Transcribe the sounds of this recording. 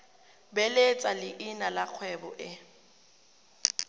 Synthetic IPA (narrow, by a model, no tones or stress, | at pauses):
bɛlet͡sʼalɪʔɪnalak͡xʰwɛbɔ̰ʔɪ